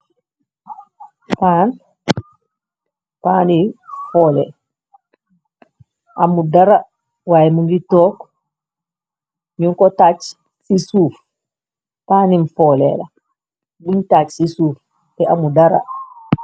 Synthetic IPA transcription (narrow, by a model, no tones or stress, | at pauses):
pan | paːnifɔːlɛ | ʔamudaɾa | wajmuŋɡitɔk | ɲuŋkɔtat͡ʃ | sisuːf | paːnimfɔlɛ̰la | buɲtat͡ʃsisuːf | tɛʔamudaɾa̰